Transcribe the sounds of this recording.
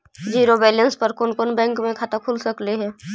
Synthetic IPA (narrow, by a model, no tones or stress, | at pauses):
d͡ʒiːɾobɛːlənspəɾkʊnkʊnbɛ̃ːŋkmẽkʰaːt̪akʰʊlsəkleɦɛː